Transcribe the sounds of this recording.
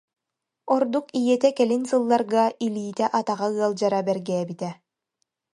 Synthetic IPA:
ɔɾd̪ukijɛt̪ɛkɛlinsɯlˠːaɾɡailiːt̪ɛʔat̪aʁaɯɐlˠd͡ʑaɾabɛɾɡɛːbit̪ɛ

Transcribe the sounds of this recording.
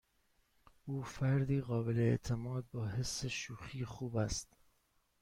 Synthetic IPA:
ʔuːfæɾd̪iːɣɒːbeleḛʔt̪ʰe̞mɒːd̪̚bɒːɦe̞sːe̞ʃuːxiːxuːbæst̪

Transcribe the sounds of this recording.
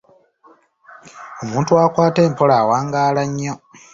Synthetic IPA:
omuːntuwakwaːte̞ːmpo̞laːwaːŋɡaːlaɲːo

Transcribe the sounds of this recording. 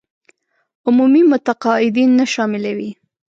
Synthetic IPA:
ʊmumimʊt̪aqɑɪd̪inːaʃɑmɪlawi

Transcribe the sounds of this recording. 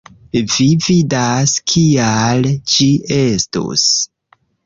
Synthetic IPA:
vividaskʰialt͡ʃie̞sto̰s

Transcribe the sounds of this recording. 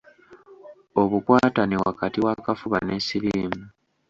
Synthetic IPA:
o̞βukwaːtanewakatiwakafuβanesiɾiːmu

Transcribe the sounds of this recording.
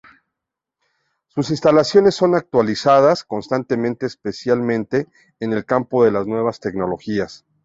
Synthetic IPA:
susinst̪alasjo̞ne̞sːo̞nak̚t̪walisaðasko̞nst̪ant̪e̞mẽnt̪eːspe̞sjalmẽ̞nt̪e̞ː | ne̞lkampo̞ðe̞laznwe̞β̞ast̪e̞kno̞lo̞xias

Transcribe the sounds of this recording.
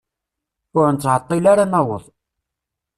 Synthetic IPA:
ʊɾnt͡sːʕət̪ˤːilaɾanæwə̰ðˤ

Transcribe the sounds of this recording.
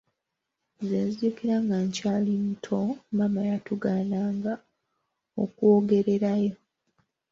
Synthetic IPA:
zaziuːkiɾaŋɡaɲcaːlin̩tʰomamajatuɡaːnaːŋɡa | o̰kuoɡe̞ɾe̞ɾajo̞

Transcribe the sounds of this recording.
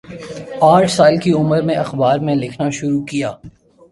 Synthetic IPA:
aːʈʰsaːlkiʊməɾmẽʔɐxbaːɾmẽlɪkʰnaʃʊɾukijaː

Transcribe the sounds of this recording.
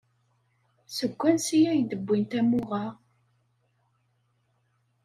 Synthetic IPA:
səɡʷːænsijæjd̪əbːint̪æmʊʁa

